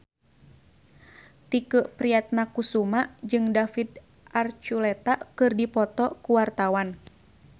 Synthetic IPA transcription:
t̪ikəʔpɾiat̪̚nakusumaʔd͡ʒɨŋdafid̪̚ | ʔart͡ʃulɛt̪aʔkɨrdipɔt̪ɔkuwart̪awan

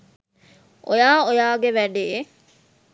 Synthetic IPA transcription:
ʔo̰jaːojaːɡeʋæɖee

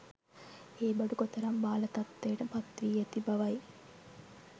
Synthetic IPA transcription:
eːbɐɖuɡot̪ɐɾɐmbaːlɐt̪ɐt̪ːejːʈəpat̪ɾiːet̪ibɐʋɐj

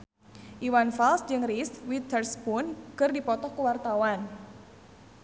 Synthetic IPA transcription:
ʔiwanfalsd͡ʒɨŋriswit̪ərspʊnkɨrdipɔt̪ɔkəwart̪awan

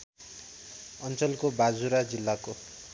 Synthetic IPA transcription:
ʌnt͡sʌlkobad͡zuɾad͡zilːako

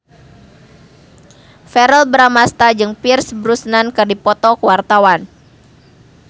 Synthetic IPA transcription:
fɛɾəlbəɾamast̪ad͡ʒɨŋpirsbɾusnankərdipɔt̪ɔkəwart̪awan

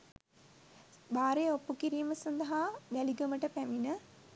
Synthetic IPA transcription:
baːɾeopːukiɾiːməsɐnd̪ɐɦaʋæliɡəməʈəpæminə

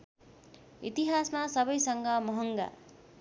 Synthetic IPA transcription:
ḭt̪iɦasmasʌbʌjsʌŋɡʌmʌɦʌŋɡa̰

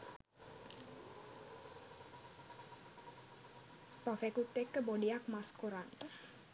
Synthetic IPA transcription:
pafɛkut̪ːekːəboɖijakmaskoɾaɳʈə

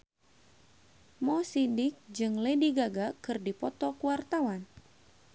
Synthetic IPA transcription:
mɔsidɪk̚d͡ʒɨŋlediɡaɡakɨrdipɔt̪ɔkuwart̪awan

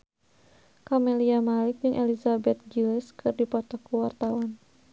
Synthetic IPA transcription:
kɔmɛliamalik̚d͡ʒɨŋʔɛlizabɛt̪̚ɡilɪskʰɨrdipɔt̪ɔkuwart̪awan

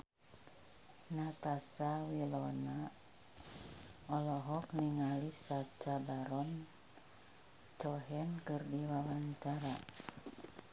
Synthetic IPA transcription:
nat̪asawilɔna | ɔlɔɦɔkniŋalisat͡ʃabaɾɔn | t͡ʃɔɦɛnkɨrdiwawaɲt͡ʃaɾa

